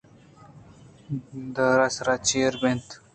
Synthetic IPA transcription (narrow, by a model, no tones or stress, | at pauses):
d̪əɾasɾat͡ɕeɾbent̪